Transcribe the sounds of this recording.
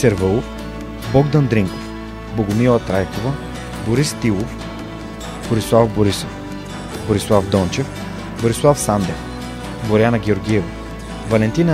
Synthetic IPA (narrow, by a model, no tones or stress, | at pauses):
sɛɾvəlˠof | bɔɡd̪ɐnd̪ɾiŋko̥f | boɡʊmilˠɐt̪ɾajkovɐ | boɾist̪ilˠof | b̥oɾislˠafboɾisof | boɾislˠafd̪ɔnt͡ʃɛf | boɾislˠafsand̪ɛ̰f | boɾʲjanɐɡʲɛoɾɡʲiɛvo | vɐlɛnt̪inə